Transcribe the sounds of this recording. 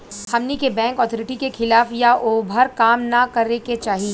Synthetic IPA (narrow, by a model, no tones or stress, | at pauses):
hɐmnikebɛ̃ːŋkɔːt̪ʰɔːɾɪʈikexʰɪlaːfjaʔoːbʱəɾkaːmnakɐɾeket͡ʃaːɦi